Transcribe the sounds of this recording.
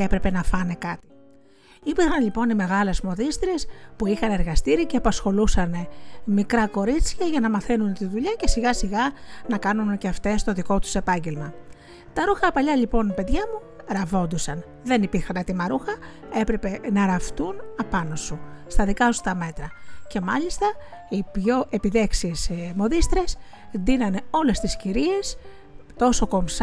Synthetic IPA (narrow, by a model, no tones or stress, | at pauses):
epɾe̞pe̞nɐfɐne̞kɐt̪i̥ | ipiɾxɐnʎipo̞nime̞ɣɐle̞smo̞ðist̪iɾespuixɐne̞ɾɣɐst̪iɾiceɐpɐsxo̞lusɐne̞mikɾɐko̞ɾit͡sçɐʝɐnɐmɐθenunt̪inðuʎɐce̞siɣɐsiɣɐnɐkɐnunceɐft̪e̞st̪o̞ðiko̞t̪u̥se̞pɐɲɟe̞lmɐ | t̪ɐɾuxɐpɐʎɐʎipo̞npe̞ðʝɐmu | ɾɐvo̞nd̪usɐn | ðe̞nipiɾxɐnɐt̪imɐɾuxɐ | e̞pɾe̞pe̞nɐɾɐft̪unɐpɐnosust̪ɐðikɐsu̥t̪ɐme̞t̪ɾɐce̞mɐʎist̪ɐ | ipʝo̞ʔe̞piðe̞ksiesmo̞ðist̪ɾe̞s | d̪inɐneo̞le̞st̪isciɾie̞s | t̪o̞so̞ko̞ms